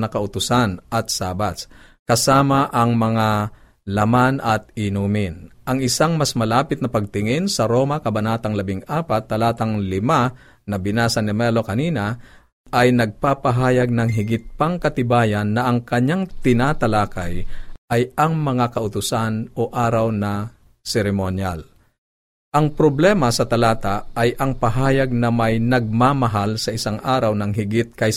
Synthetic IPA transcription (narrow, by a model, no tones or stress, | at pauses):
nɐkɐʔʊt̪ʊsanʔɐt̪̚saːbas | kɐsaːmɐʔɐŋmɐŋa | lɐmanʔɐt̪̚ɪnumɪnʔɐŋɪsaŋmɐsmɐlaːpɪt̪̚nɐpɐɡ̚t̪ɪŋɪnsɐɾoːmɐkɐbɐnaːt̪ɐŋlɐbɪŋaːpat̪̚ːɐlaːt̪ɐŋlɪma | nɐbɪnaːsɐnɛmɛlo̞kɐniːnɐ | ajnɐɡ̚papɐɦaːjɐɡ̚nɐŋɦɪɡɪt̪̚paŋkɐt̪ɪbaːjɐnːɐʔɐŋkɐɲːaŋt̪ɪnaːt̪ɐlaːkajʔɐjɐŋmɐŋakɐʔʊt̪ʊsanʔoʔaːɾɐwnɐ | sɛɾɛmonjal | ʔɐŋpɾoblɛːmɐsɐt̪ɐlaːt̪aʔːjʔɐŋpɐɦaːjɐɡ̚nɐmajnɐɡ̚mamɐɦalsɐʔɪsaŋʔaːɾɐwnɐŋɦɪɡɪt̪̚kɐj